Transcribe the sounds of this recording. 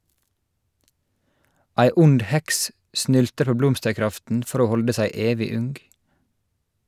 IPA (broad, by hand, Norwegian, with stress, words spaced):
ˈʔæɪ ˈʊnd ˈhɛks ˈʔsnʏltəɾ ˈpoː ˈblɔmstəɹˌkɾɑftn̩ ˈfɔɾ ˈoː ˈhɔldə ˈsæɪ ˈeːʋɪ ˈʉŋɡ